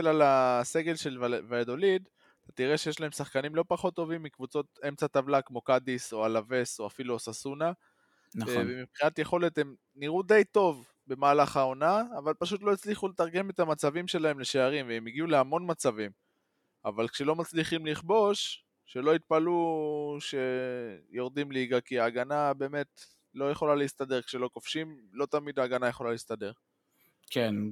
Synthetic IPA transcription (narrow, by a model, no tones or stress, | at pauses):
lalase̞ɡe̞lʃe̞lvaed̪o̞lid̪ | at̪at̪iʁe̞ʃe̞je̞ʃlaemsaχkanimlo̞paχo̞t̪ːo̞vimːikvut͡so̞t̪e̞mt͡sat̪avlakmo̞kad̪iso̞alave̞so̞afiluasasuna | nvemipχinat̪jeχo̞le̞t̪e̞m | niʁud̪e̞jt̪o̞v | be̞maːlaχao̞naːvalpaʃut̪lo̞it͡sliχulet̪aʁɡe̞me̞t̪amat͡savimʃe̞laemle̞ʃeaʁimveemiɡiuleamo̞nmat͡savim | a̰valkʃe̞lo̞mat͡sliχimliχbo̞ʃ | ʃe̞lo̞it̪̚paluʃe̞jo̞ʁd̪imliɡakiaːɡanabe̞ːme̞t | lo̞jeχo̞laliist̪ade̞ʁkʃe̞lo̞ko̞fʃimlo̞t̪amid̪aːɡanajeχo̞lalist̪ade̞ʁ | ken